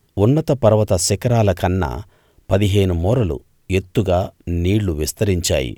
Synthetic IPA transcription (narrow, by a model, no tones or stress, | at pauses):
unːɐt̪ɐpɐɾɐʋɐt̪ɐsɛkɐɾaːlɐkɐnːɐ̰ | pɐd̪iɦe̞ːnumɔːɾɐlṵ | e̞t̪ːuɡaːniːɽːuʋist̪ɐɾiɲt͡ʃa̰ːjḭ